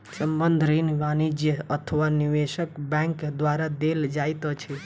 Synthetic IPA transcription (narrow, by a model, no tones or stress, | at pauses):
səmbənd̪ʱɾenbanid͡ʒjəət̪ʰəʋaniʋeʃəkbɛ̃ŋkd̪waɾad̪eld͡ʒajt̪ət͡ʃʰɛ